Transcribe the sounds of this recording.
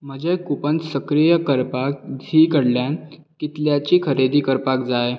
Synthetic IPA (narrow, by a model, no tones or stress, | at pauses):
m̤əd͡ʑekupənsəkɾijəkəɾpak̚dʱiːkəɽljan | kit̪ljat͡ɕiːkʰəɾed̪iːkəɾpak̚d͡zaj